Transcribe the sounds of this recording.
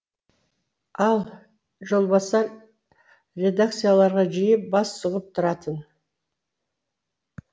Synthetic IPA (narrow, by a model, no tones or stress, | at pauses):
ɑlˠ | ʒo̞lˠbɑsɑɾ | rʲe̞d̪akt̪sɨjalˠɑɾʁɑʒijəp̚bɑsːʊʁəp̚t̪ʰʊɾɑt̪ən